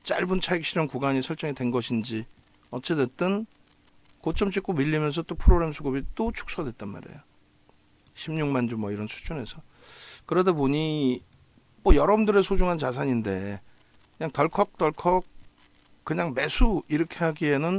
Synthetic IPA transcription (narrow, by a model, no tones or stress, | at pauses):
t͡ɕ͈aɭbunt͡ɕʰaik̚ɕ͈ʰiɾjʌnkuɡaɲisʰʌɭt͡ɕ͈ʌŋitwe̞nɡʌɕʰind͡ʑi | ʌt͡ɕ͈ʰedwet̚t͈ɯn | kot͡ɕ͈ʌmt͡ɕ͈ik͈omiʎːimjʌns̬ʰʌt͈opʰɯɾoɡɾe̞msʰuɡubit͈ot͡ɕʰu̥k̚s͈ʌdwe̞t̚t͈anma̰ɾe̞̰jo | ɕʰimɲuŋmand͡ʑumwʌiɾʌnsʰu̥d͡ʑunɦe̞sʰʌ | kɯɾʌdaboɲi | mojʌɾʌbɯndɯɾe̞sʰod͡ʑuŋɦant͡ɕasʰaɲinde̞ | kɯɲaŋtʌɭkʰʌk̚t͈ʌɭkʰʌk̚ | kːɯɲaŋme̞sʰuiɾʌkʰe̞ɦaɡie̞nɯn